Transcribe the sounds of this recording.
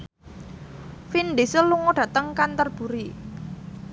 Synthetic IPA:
finɖ̪isəluŋoɖ̥ä̤t̪əŋkant̪ərb̥ṳɾi

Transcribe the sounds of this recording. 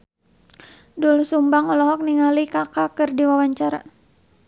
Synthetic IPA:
dulsumbaŋɔlɔɦɔk̚niŋalikakakɨrdiwawaɲt͡ʃaɾa

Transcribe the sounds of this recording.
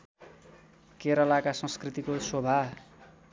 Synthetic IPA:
keɾʌlakasʌ̃skrit̪ikosobʱa

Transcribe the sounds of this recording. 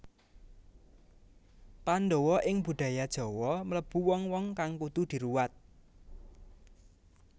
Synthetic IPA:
pand̪owɔʔɪŋb̥ṳd̪̥ä̤jad̥ʒ̥ɔ̤wɔmələb̥ṳwɔŋwɔŋkaŋkut̪ud̪̥i̤ɾuwat̪̚

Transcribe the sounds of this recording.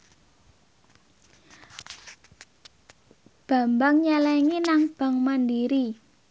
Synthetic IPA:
b̥a̤mbaŋɲɛlɛŋinaŋb̥a̤ŋmandiɾi

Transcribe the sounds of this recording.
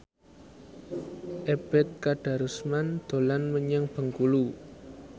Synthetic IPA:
ʔeb̥ɛt̪̚kaɖ̥a̤ɾusmand̪̥o̤lanməɲaŋb̥ə̤ŋkulu

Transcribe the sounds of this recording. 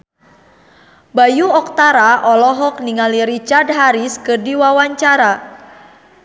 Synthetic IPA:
bajuɔk̚t̪aɾaʔɔlɔɦɔk̚niŋaliɾit͡ʃard̚ɦaɾiskɨrdiwawaɲt͡ʃaɾa

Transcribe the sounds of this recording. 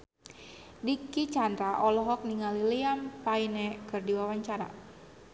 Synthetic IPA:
dikit͡ʃand̪ɾaʔɔlɔɦɔk̚niŋaliliampainɛkɨrdiwawaɲt͡ʃaɾa̰

